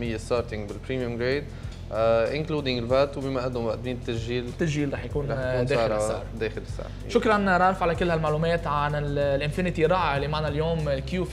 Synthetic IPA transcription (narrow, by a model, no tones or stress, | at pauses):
ɪjːest̪ɑːɾt̪ɪ̃ŋɡbɪlpɾiːmjʊmɡɾeːd̪ | ʔɪnkluːd̪ɪ̃ŋɡɪlvat̪wbɪmaʔad̪ʊmwaʔd̪miːnɪt̪ːasʒiːlt̪ːasʒiːlɾˤɑːħjakuːneːlsaʕɾˤd̪eːxɪlɪsːa̰ʕ | ʃʊkɾˤɑnɾˤɑʕɾˤɪfʕalakɪlːhalmaʕluːmeːt̪ʕanɪllʔɪnfɪɾnɪt̪iɾˤɑʕalimaʕnaljoːmkjuː